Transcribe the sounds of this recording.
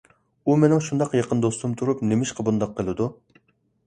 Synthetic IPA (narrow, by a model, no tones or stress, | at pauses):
umenɪŋʃund̪ɑqjɑqʰənd̪ost̪umt̪ʰuɾupnemɪʃqʰɑbund̪ɑqʰːəlˠɨd̪u